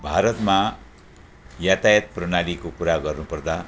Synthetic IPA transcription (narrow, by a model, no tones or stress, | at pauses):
bʱaɾʌt̪ma | jat̪ajʌt̪̚prʌnalikokuɾaɡʌrnupʌrd̪a